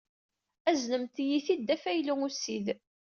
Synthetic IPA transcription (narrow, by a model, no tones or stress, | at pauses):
æznəmt̪jiθid̪ːæfæjluŋusið